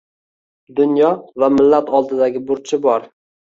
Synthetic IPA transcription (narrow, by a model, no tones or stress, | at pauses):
d̪ʊnjɒvamɪlːat̪ʰɒlˠd̪ɪd̪aɡʲɪbʊɾt͡ʃʰɪbɒɾ